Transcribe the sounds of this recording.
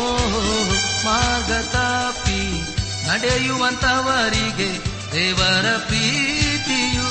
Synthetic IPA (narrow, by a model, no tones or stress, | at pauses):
oɦoɦomaɡɐt̪api | nɐɖejuʋɐnt̪ɐʋaɾiɡe | eʋaɾɐpit̪iju